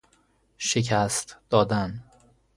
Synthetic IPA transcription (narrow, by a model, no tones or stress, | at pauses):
ʃecʰæst̪d̪̥ɒːd̪æn